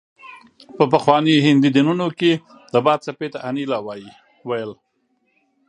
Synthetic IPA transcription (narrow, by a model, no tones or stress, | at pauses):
pəpəxwɑniɦɪnd̪id̪inunoke | d̪̥əbɑd̪̚t͡sapet̪aʔanilɑwɑji | wajəl